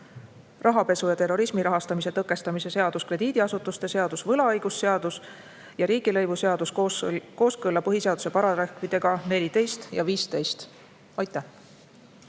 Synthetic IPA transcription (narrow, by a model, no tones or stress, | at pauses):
rɑɦɑpe̞sujɑt̪e̞rːo̞ɾismiɾɑɦɑst̪ɑmis̬e̞t̪ɤkːˑe̞st̪ɑmise̞se̞ɑd̪̥uskre̞d̪̥iːd̪̥iɑsut̪ːˑust̪e̞se̞ɑd̪̥usvɤlɑɑjɡ̥usːe̞ɑd̪us | jɑɾiːɡ̥ilɤ̞jvuseɑd̪̥usko̞ːskɤlːɑpɤɦiseɑd̪̥u̥se̞pɑɾɑɾehkvid̪̥e̞ɡ̥ɑne̞lʲid̪e̞jst̪jɑ̰viːst̪e̞jst̪ | ɑjt̪ːˑæh